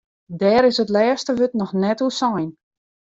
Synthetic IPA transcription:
dɛːɾɪsətlɛːstəʋøtnɔxnɛtusajn

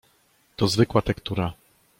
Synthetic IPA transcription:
t̪ɔzvɘkwat̪ɛkt̪uɾa

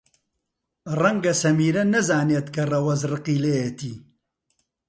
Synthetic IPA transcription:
rɐŋɡɐsɐmiːɾɐnɐzaːneːt̪kɐrɐwɐzrɨqiːlejet̪iː

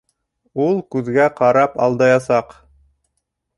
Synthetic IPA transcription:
ulˠkʉðɡæqɑɾɑpɑ̰lˠd̪ɑjɑsɑq

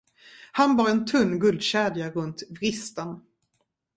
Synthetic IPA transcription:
hanbɑːɾɛnt̪ʰɵnːɡɵld̪ɕɛːd̪jaɾɵnt̪vɾɪst̪ən

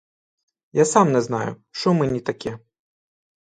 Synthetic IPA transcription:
jasamnɛznajṵ | ʂɔmɨnʲit̪akʲɛ

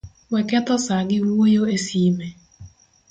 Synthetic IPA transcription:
wɛkɛt̪ɔsaɡɪwojoesiːme

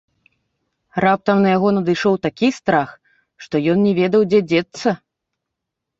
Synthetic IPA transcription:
rap̚t̪ɐmnɐjaɣɔnɐd̪ɨjʂɔwt̪akʲist̪ɾax | ʂt̪ɔjɔnnʲɛvʲɛd̪ɐwd͡zʲɛd͡zʲɛt̪sːɐ

